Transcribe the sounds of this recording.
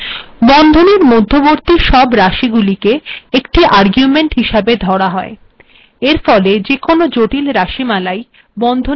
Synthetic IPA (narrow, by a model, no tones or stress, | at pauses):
bɔnd̪ʱoneɾmod̪ʱːoboɾt̪iʃɔbɾaʃiɡulikeekʈiʔaɾɡjumeɳʈɦiʃabed̪ʱɔɽaɦɔe | eɾfɔled͡ʑekonod͡ʑoʈilɾaʃimalaj | bɔnd̪ʱo